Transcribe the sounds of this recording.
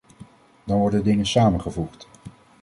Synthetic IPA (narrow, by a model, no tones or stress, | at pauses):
dɑnʋɔɹdədɪŋənsaːmənχəvuχt